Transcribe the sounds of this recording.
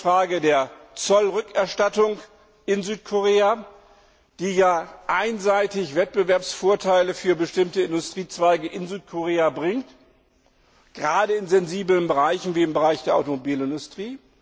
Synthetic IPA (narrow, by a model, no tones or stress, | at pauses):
fʁ̥aːɡədeːɐt͡sɔlʁʏkɛɐʃtatʊŋ | ʔɪnzyːtkʰoʁeːa | d̥iːjaːʔaɪnzaɪtɪçv̥ɛt̚b̥əvɛɐpsfoːɐtʰaɪləfyːɐbəʃtɪmtəɪndʊstʁ̥iːt͡sv̥aɪɡəʔɪnzyːt̚kʰoʁeːabʁɪŋt | ɡ̥ʁaːdəɪnzɛnziːblənbəʁaɪçn̩viːɪmbəʁaɪçd̥eːɐʔa̰ʊtomobiːlɪndʊstʁ̥iː